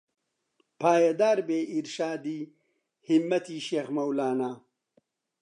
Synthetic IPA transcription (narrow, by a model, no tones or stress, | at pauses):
pʰaːjɐd̪aːɾbeːiɾʃaːd̪iː | himːɐt̪ʰiːʃeːxmɐwlaːnaː